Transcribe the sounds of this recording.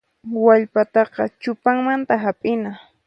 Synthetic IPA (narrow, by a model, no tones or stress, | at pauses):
waʎpat̪ɑqɑ̰t͡ʃʊpaŋmant̪aɦapʼɪna